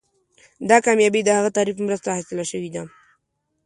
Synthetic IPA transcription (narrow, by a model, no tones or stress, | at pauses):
d̪ɑkɑmjɑbid̪əhaɣat̪ɑɾifmɾəst̪ahasɪlaʃəwid̪a